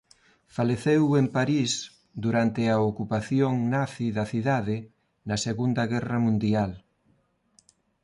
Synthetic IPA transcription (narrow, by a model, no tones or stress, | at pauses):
faleθewempaɾis | d̪uɾant̪ɪɐokupaθjoŋnaθiðɐθiðaðɪ | nɐseɣund̪ɐɣɛrɐmũnd̪ial